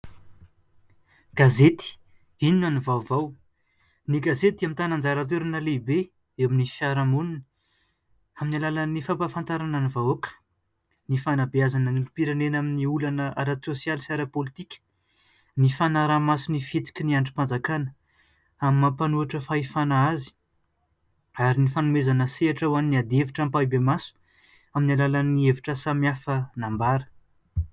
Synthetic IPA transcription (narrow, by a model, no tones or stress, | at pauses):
ɡ̥azet̪i̥ | ininanivawvaw | niɡazet̪̚amint̪anand͡zaɾat̪̬eɾanəlibe | ewaminifjaɾamunini̥ | aminalalənifampafant̪aɾananivawokə̥ | nifanabiazanənilupiɾanenaminiulanəa̰ɾat͡sosjalisaɾapolit̪ikʲə̥ | nifanaɾamasunifit͡si̥kʲiniaɳʈ͡ʂi̥pand͡zakanə | amimapanuaʈ͡ʂəfaifanaazi̥ | aɾinifanumezanəseaʈ͡ʂəwaniniad̪eviʈ͡ʂampaibemasu̥ | aminalalanieviʈ͡ʂəsamiafənambaɾə̥